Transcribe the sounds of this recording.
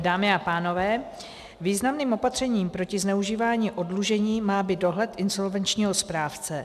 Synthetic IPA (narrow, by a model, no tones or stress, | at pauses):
daːmɪapaːno̞vɛː | viːznamniːmo̞pat̪r̝̥ɛɲiːmpɾo̞cɪznɛuʒiːvaːɲiːʔo̞dluʒɛɲiːmaːbɪdo̞ɦlɛt̪ʔɪnzo̞lvɛnt͡ʃɲiːɦo̞spɾaːft͡sɛ